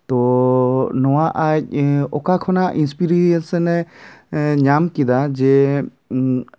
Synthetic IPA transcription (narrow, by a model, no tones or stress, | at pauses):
t̪ɔ | nɔwaʔac̚ɔkakʰɔnaʔinspiɾiɛsɛnɛ | ɲamkid̪ad͡ʒɛ